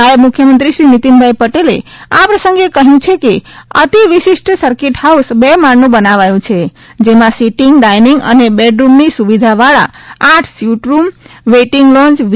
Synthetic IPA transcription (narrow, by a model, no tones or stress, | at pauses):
aemukʰjəmənt̪ɾiʃɾinit̪inbʱajpəʈelḛapɾəsəŋɡekəɦjũt͡ʃʰekeə̰t̪iʋiʃiʃʈsəɾkeʈhausbemaɳnũbənaʋajũt͡ʃʰe | d͡ʒemãsiʈiŋɡɖajniŋɡə̰nebeɖɾumnisuʋid̪ʱaʋaɭa̰aʈʰsjuʈɾumʋeʈiŋɡlɔ̃nt͡ʃ